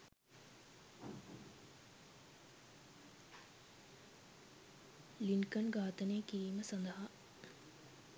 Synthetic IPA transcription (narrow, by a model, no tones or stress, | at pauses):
linkɐnɡaːt̪ɐneːkiɾiːməsɐnd̪ɐɦa